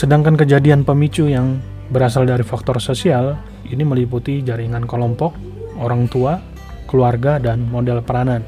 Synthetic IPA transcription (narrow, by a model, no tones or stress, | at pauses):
sədaŋkankəd͡ʒadianpəmit͡ʃujaŋ | bəɾas̬aldaɾifak̚t̪ɔrsosial | iniməliput̪id͡ʒaɾiŋankəlɔmpɔk̚ | oɾaŋt̪ua | kəluarɡadanmodɛlpəɾanan